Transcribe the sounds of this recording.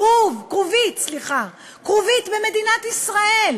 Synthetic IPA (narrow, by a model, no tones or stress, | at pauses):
uvkʁuvit̪sliχa | kʁuvit̪beme̞d̪inat̪isʁael